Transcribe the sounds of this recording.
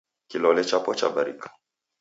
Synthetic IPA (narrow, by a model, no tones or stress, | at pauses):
kilɔlɛt͡ʃapɔt͡ʃa̰baɾḭkḁ